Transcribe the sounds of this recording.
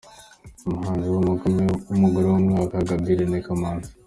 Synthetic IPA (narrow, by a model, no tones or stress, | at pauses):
umuhaːnziwomuɡomeumuɡoɾowomŋaːkaɡabiɾenekamaːni